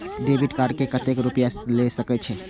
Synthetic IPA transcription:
ɖebʱiɖkaɾɖkekət̪ekɾupjalesəkɛt͡ʃʰɛ

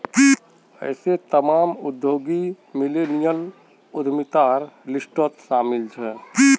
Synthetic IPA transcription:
i | ɛ̰ːset̪əmaːmʊd̪joːɡi | mɪleːnijəl | ʊd̪ʱmɪt̪aːɾlɪsʈot̪ʃaːmɪlt͡ʃʰɛː

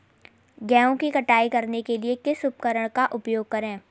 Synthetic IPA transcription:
ɡɛːõkikɐʈaːikɐɾnekeliekɪsʊpkəɾəɽ̃kaʔʊpjoːɡ̚kɐɾẽː

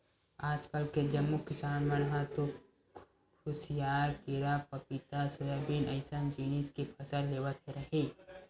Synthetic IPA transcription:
aːd͡ʒkəlked͡ʒɐmːukɪsaːnmɐnɦãt̪o | kʰʊsɪjaːɾkɪɾapɐpɪt̪asʊɾeːbiːnəɪsənd͡ʒiːniskipʰɐsəlleːwət̪ɦeɾɐɦi

